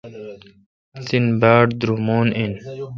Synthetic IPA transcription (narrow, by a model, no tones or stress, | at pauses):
sinbaːʈd̪ɾumoːnin